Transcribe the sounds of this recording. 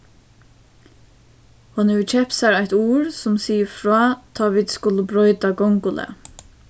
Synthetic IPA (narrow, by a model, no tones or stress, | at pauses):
hʊnɛt͡ʃʰɛpsaɾæɪt̪uːɹsʊmsiːəfɹɑːt̪ʰɑːʋɪd̪skʊləbɾɔʏt̪aɡɔŋkʊlʔə̰